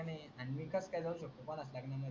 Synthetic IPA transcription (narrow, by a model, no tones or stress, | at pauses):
ne | animikʰəskajd͡zauɕək̚t̪əpənəsljakaɳjamə